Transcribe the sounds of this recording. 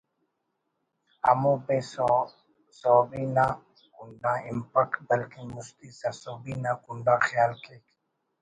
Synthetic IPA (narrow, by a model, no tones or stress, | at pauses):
a̰mũpẽ | soːbina | kuɳɖãːɪmpəkbəlkimʊst̪isasobinakuɳɖãːxjaːlkeːk